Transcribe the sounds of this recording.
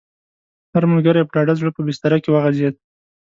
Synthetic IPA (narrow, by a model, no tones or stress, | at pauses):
haɾmalɡaɾajapɖɑɖazɽəpəbɪst̪aɾakewaɣazjad̪̚